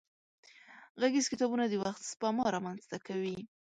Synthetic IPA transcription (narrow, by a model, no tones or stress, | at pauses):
ɣaɡizkɪt̪ɑbunad̪əwaxt̪spamɑɾɑmanz̥t̪akawi